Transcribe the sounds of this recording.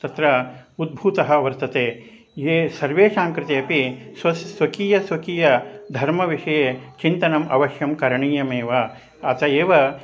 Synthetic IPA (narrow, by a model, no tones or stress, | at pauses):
t̪ɐt̪ɾɐud̪̚bʱuːt̪ɐɦɐɐʋɐɾt̪ɐt̪eː | eːsɐɾʋeːʂaːŋkɾɪt̪iɐpisɐsʋɐkiːjɐsʋɐkiːjɐd̪ʱɐɾmɐʋiʂɐjeːt͡ʃint̪ɐnɐmɐ̰ʋɐʃjɐmkɐɾɐɳiːjɐmeːʋɐ | ɐt̪ɐeːʋɐ